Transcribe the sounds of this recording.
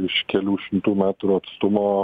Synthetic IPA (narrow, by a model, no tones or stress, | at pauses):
ɪʃkʲɛlʲuːʃʲɪmt̪uːmʲæːt̪ɾuːɐt̪st̪ʊmoː